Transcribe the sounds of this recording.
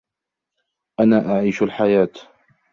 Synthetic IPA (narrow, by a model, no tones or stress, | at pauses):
ʔanaːʔaʕiːʃalħajaːt̪